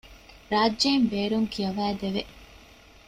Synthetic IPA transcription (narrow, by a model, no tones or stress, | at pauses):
ɾaːd͡ʒeimbeːɾuŋkiɐʋæːd̪eʋe